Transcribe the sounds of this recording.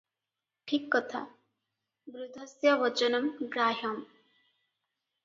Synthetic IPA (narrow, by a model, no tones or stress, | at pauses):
ʈʰikːʌt̪ʰa̰ | bɾud̪ʱɐsjɐʋɐt͡ʃənɐmɡɾaːɦɐm